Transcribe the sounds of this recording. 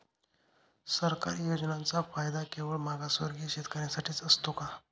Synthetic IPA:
səɾka̰ɾjod͡ʑnãnt͡safajd̪akeʋəɭmaɡasʋə̰ɾɡiːɕet̪kəɾjasaʈiːt͡səst̪oka

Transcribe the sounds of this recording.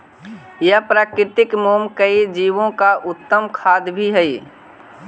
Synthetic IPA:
jəpɾaːkɾɪt̪ɪkmoːmkəid͡ʒiːʋõkaʔʊt̪ːəmkʰaːd̪bʱiɦɛi

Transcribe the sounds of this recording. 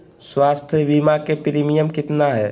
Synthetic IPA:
swaːst̪ʰjəʋimakepɾimijəmkɪt̪naɦɛː

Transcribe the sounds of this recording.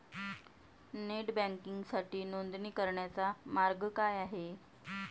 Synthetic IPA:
neʈbæ̃ŋkiŋɡsaʈiːnond̪niːkəɾɳjat͡samaɾɡkajaɦe

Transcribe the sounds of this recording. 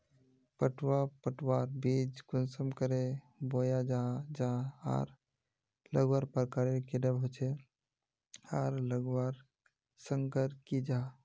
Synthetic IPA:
pəʈʰwapəʈʰwaːɾbid͡ʒɡʊnsəmkəɾe | boːjad͡ʒad͡ʒaa̰ːɾ | ləɡwaːɾpəɾkaɾekeɖəbɦot͡ʃʰe | aːɾləɡwaɾ | səŋkəɾkid͡ʒa

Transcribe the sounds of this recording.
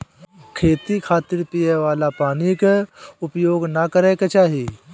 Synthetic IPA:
kʰeːt̪ikʰaːt̪ɪɾpijeʋaːlapaːnikʊpjoːɡnɐkɐɾekɐt͡ʃaːɦiː

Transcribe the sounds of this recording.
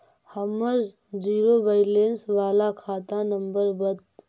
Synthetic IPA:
həməɾz | d͡ʒiːɾobəɪlensʋaːlakʰaːt̪anəmbəɾbət̪

